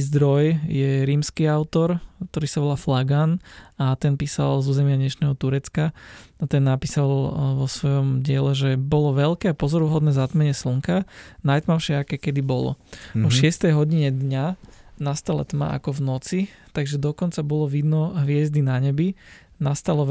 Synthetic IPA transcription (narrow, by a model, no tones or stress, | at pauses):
zd̪ɾɔjjɛɾiːmskiaʊt̪ɔɾk̚t̪ɔɾiːsaʋɔlaːflaɡanat̪ɛnpiːsa̰lzuːzɛmɪaɲɛʃnɛːɦɔt̪uɾɛt͡skaat̪ɛnːapiːsalʋɔsʋɔjɔmɟɪɛlɛʒɛbɔlɔʋɛlkɛːapɔzɔɾuɦɔd̪nɛːzat̪mɛɲɛsluŋkanajt̪maʊʃɪɛakɛːkɛd̪ibɔlɔ̰ɔʃɪɛst̪ɛjɦɔɟiɲɛd̪ɲanast̪ala̰t̪ma̰ʔa̰kɔʋnɔt͡sit̪aɡʒɛd̪ɔkɔnt͡sabɔlɔʋid̪nɔɦʋɪɛzd̪inaɲɛbi | nast̪alɔ